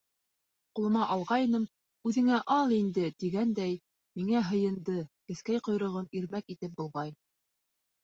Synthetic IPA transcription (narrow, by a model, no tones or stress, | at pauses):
qulˠɤ̆mɑʔɑlˠʁɑjɤ̆nɤm | ʉðɘ̆ŋæʔɑlˠind̪ɘt̪iɡænd̪æj | miŋæɦɤ̆jɤ̆nd̪ɤkɘ̆θkæjqŏjɾɤ̆ʁɤmiɾmækit̪ɘp̚bŭlˠʁɑj